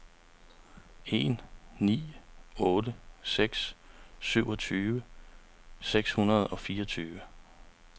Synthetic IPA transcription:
e̝̰nnḭːɔ̽ːdəseɡ̥ssyʊ̰ɒ̽t͡sʰyːʋə | seɡ̥shunɐð̞̩ˠɒ̽fiːɐɒt͡sʰyːʋə

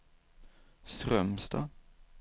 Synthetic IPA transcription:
st̪ɾœmsd̪ɑ̰ː

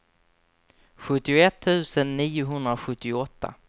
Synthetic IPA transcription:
ɧɵt̪ːɪʊɛt̪ʰːʉ̟ːsənːiːʊɦɵnd̪ɾaɧɵt̪ːɪɔt̪ʰːa̰

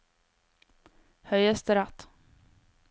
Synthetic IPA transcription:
hœjɛst̪əɾat̪

